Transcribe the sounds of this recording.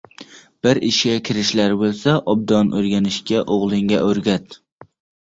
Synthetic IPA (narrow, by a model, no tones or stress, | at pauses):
b̥ɪɾɪʃʲakʲʰɪɾɪʃlaɾbolˠsaʔɒb̚d̪ɒnʔɵɾɡʲanɪʃkʲaʔoʁlˠɪŋɡʲaʔɵɾɡʲat̪